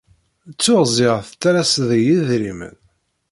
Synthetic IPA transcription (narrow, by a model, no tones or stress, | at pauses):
t͡sːʊʁzˤɪʁθt̪ːæɾæsðjiðɾimə̰n